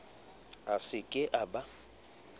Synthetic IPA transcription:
asɪkʼɪʔaba

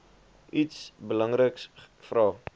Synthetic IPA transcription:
ʔitsbəlɐŋrəks | frɑː

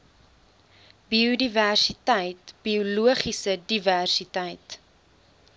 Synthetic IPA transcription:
biudiværsitəjtb̥iuluəχisədiværsitəjt

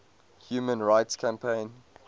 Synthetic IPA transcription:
hjuːmə̃nɹaɪtskʰãmpʰẽɪ̃n

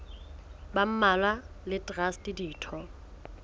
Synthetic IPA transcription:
bam̩malwa | lɪtʼrastʼɪdiːtʰɔ

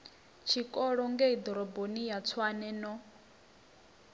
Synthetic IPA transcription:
t͡ʃʰikʼɔɺɔŋɡɛid̪ɔɾɔbonijat͡sʰwanɛnɔ

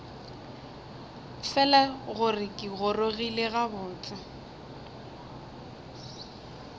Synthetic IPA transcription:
fɛlaɣʊrɪkʼɪɣʊroɣileɣabʊːt͡sʼɪ

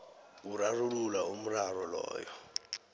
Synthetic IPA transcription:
urarululaum̩rarɔlɔ̰ːjɔ

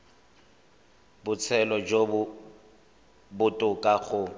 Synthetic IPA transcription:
bʊt͡sʰɛlɔd͡ʒobʊ | bʊtʼʊkʼaɣʊ

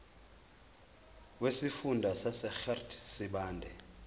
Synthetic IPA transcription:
wesifundʱasasɛxɛrtʰsiɓaːndʱɛ

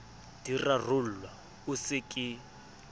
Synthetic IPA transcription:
d̥irar̤ʊl̩wa | ʊsɪkʼɪ

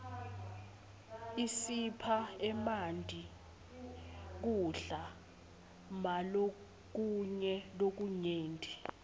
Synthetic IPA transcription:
isipʰaɛmandʼʱi | k̬uɬa | malo | k̬uɲɛlok̬uɲeːndʼʱi

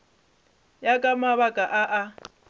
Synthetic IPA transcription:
jakʼamaβakʼaʔaʔa

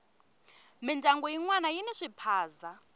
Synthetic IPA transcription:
mindʱaŋɡɔjiŋwanajinɛʂipʰaːza

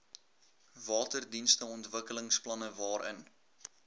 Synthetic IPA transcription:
vɑːtərdinstəɔntvəkələŋsplɐnəvɑːɾə̰n

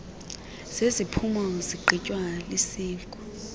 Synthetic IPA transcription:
z̥ezipʰumɔziǃʱicʼwalisiːŋkʼu

